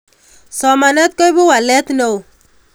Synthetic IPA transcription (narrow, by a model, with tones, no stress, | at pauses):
sɔ˨ma˨nɛ˦t̪̚kɔ˦jbʊ˦wa˨lɛ˦t̪no˦˨w